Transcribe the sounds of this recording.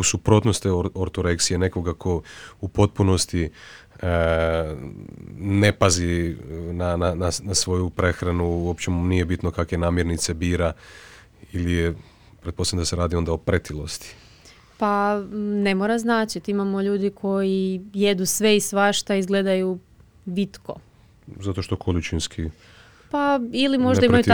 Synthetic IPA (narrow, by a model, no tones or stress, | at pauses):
usupɾo̞t̪nost̪eoɾt̪oɾeksijene̞ko̞ɡakʰo̞upo̞t̪̚puno̞st̪i | ne̞pazinanananasʋo̞jupɾe̞xɾanuuopt͡ʃenijebit̪nokakʋe̞naːmjeɾnit̪se̞biːɾa | ilije | pɾet̪̚po̞samd̪aseɾaːd̪io̞nd̪aopɾet̪ʰilˠost̪i̥ | pane̞moːɾaznaːt͡ʃit̪imamo̞ʎuːd̪ikʰo̞jije̞d̪usʋe̞isʋaʃt̪aizɡle̞d̪aju | bit̪ko̰ | zat̪o̞ʃt̪o̞kʰolit͡ʃinskʰi | pailimo̞ʒd̪aimaju